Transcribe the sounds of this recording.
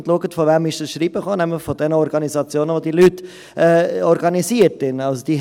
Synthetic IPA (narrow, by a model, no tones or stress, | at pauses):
ntluəɡətfɔvɛmɪʃd̥əsʃɾiːb̥əχoːnɛmlɪχfɔd̥ɛnəɔɾɡɑnisɑt͡sjoːnəʋodilyt | ɛːɔɾɡɑniziəɾtɪnɑlsod̥̪i